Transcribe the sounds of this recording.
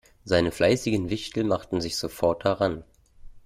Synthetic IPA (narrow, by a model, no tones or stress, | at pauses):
zaɪnəflʔaɪsɪɡən̩vɪçtl̩maχtn̩zɪçz̥ofɔɐt̚daʁan